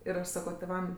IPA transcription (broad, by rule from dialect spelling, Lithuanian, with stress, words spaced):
ɪr ɐʃ ˈsɑːkoː tʲeːˈʋɐm